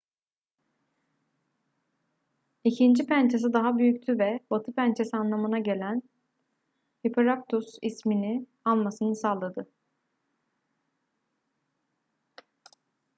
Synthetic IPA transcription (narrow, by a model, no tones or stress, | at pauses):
icʰind͡ʒipʰænt͡ʃʰes̬id̪aɦabyjyct̪ʰyvɛbat̪ʰɯpʰænt͡ʃʰesianlˠamɯnaɟe̞lʲæn | hipʰeɾak̚t̪ʰusismini | alˠmasɯnɯsaːlˠad̪ɯ